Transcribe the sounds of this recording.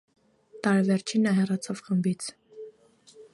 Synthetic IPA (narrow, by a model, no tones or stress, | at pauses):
t̪ɑɾvɛɾt͡ʃʰinːɑɦɛrɑt͡sʰɑvχəmbit͡sʰ